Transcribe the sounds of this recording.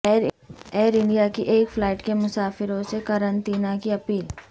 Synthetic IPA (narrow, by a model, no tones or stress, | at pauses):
eːɾɪ̃ɳɖijakiʔeːkflaːʈkemʊsaːfɪɾõsekɐɾə̃nt̪iːnakiɐpiːl